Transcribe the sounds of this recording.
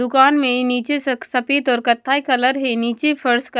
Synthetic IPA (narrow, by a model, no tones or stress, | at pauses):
ʊkaːnmẽniːt͡ʃessɐpeːt̪ɔːɾkɐt̪ʰːaikɐləɾɦeniːt͡ʃepʰɐɾsk